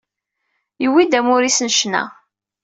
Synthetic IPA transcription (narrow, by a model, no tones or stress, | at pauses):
jəwid̪æmʊɾisnʃnæ̰